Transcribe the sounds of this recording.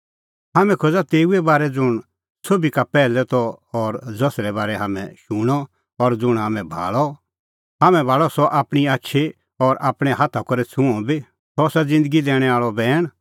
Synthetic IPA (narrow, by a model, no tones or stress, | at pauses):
ɦaːmɛ̃kʰod͡zat̪eːuɛbaːɾɛd͡zʊɽ̃ | sobikapɛːlɛt̪ɔːɾd͡zɔsɾɛbaːɾɛɦaːmɛ̰̃ʃʊɽ̃ɔ | ɔɾd͡zʊɽ̃ɦaːmɛ̃bʱa̰ːɭɔ | ɦaːmɛ̃bʱaːɭɔsɔʔaːpɽ̃iaːtːʃʰe | ɔɾa̰ːpɽ̃ɛ̃ɦat̪ʰakɔɾɛt͡sʰʊ̃ɔ̃bi | sɔsad͡zɪ̃nd̪əɡid̪ɛːɽ̃ɛaːɭɔbɛːɽ̃